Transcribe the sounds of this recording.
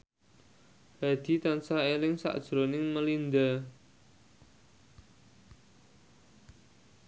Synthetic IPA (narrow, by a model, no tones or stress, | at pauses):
ha̤d̪̥i̤t̪ansaelɪŋsa̰ʔd̥ʒ̥ɾonɪŋməlind̪a